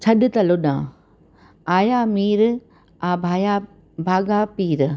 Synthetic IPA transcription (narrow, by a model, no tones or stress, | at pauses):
t͡ʃʰɐɗɪt̪ɐlʊɗã̰ː | aːjaːmiːɾ | aːbʱaːja | bʱaːɡaːpiːɾ